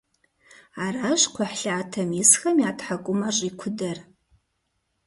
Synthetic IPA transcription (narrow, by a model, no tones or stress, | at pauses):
araɕqʷʰaħɬaːtʰɐmɪsxɐmijaːtħakʷʼʊmɐɕʼikʷʰʊdɐr